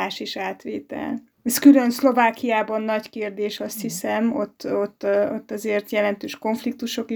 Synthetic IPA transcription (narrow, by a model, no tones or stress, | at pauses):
aːʃiʃaːt̪ʋeːt̪ɛ̰l | ɛskylø̞nslo̞vaːkijaːbɒnːɒɟkeːrd̪eːʃɒst̪hisɛmot̪ːot̪ːot̪ːɒzeːrt̪jɛlɛnt̪øːʃko̞ɱflik̚t̪uʃo̞ki